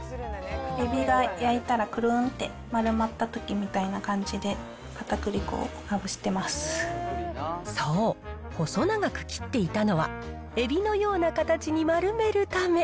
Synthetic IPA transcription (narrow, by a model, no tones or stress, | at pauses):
e̞bʲiɡajait̪aɾakɯ̟ɾɯnt̪e̞ | maɾɯ̟mat̪ːat̪o̞kʲimʲit̪ainakãɲ̟d͡ʑid̪e̞ | kat̪akɯ̟ɾʲiko̰ːnabɯ̟ɕi̥t̪e̞masɨ̥ | so̞ː | ho̞so̞naɡakɯ̟̥kʲi̥t̪ːe̞it̪ano̞βa̰ | e̞bʲino̞jo̞ːnakat̪at͡ɕiɲ̟imaɾɯ̟me̞ɾɯ̟t̪ame̞